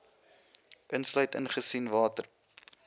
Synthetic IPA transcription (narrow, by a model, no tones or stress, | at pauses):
ʔənslœɥtənχəsinvɑːtər